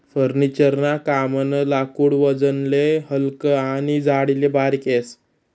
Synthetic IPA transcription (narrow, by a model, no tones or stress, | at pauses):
fəɾnit͡ɕəɾnakamənəlakuːɽʋəd͡zənlehəlkəañid͡zaɽilebaɾkes